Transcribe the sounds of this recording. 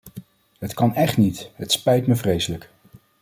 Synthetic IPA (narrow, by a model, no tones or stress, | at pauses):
ɦətkɑnɛχtnitɦətspɛjtməvrejsələk